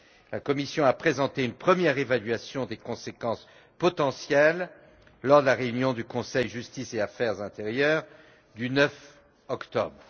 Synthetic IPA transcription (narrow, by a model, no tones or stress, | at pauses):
lakɔmisjɔ̃apχezɑ̃t̪eynpχəmjɛʁevalɥasjɔ̃d̪ekɔ̃sekɑ̃s | pɔt̪ɑ̃sjɛlː | ɔʁd̪əlaʁeynjɔ̃d̪ykɔ̃sɛjʒyst̪iseafɛʁzɛ̃t̪eʁjœːʁ | d̪ynœf | ɔkt̪ɔ̰bʁ